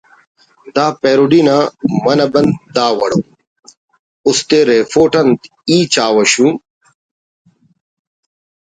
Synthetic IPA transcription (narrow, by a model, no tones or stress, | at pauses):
d̪aːpeːɾuɖinamɐnɐbɐnd̪d̪aːwɐɽoː | ust̪eɾeːfoːʈɐnt̪ | iːt͡ɕaːwɐɕũ